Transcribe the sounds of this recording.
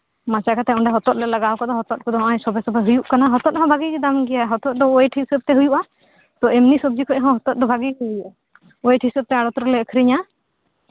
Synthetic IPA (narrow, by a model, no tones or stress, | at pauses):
mãt͡ʃakat̪ɛɔɳɖɛɦɔt̪ɔt̪̚lɛlaɡawkad̪ɔɦɔt̪ɔt̪̚kɔd̪ɔɦʔɔ̃jsɔbɛsɔbaɦujuʔkanaɦɔt̪ɔt̪̚ɦɔ̃bʱaɡikid̪amɡɛjaɦɔt̪ɔt̪̚ˀd̪ɔːjʈʰisəb̚t̪ɛɦujuʔa | t̪ɔɛmnisɔb̚d͡ʒikʰɔc̚ɦɔ̃ɦɔt̪ɔt̪̚d̪ɔbʱaɡikɛɦujuʔa | ɔjʈʰisəb̚t̪ɛaɽɔt̪ɾɔlɛəkʰɾiɲa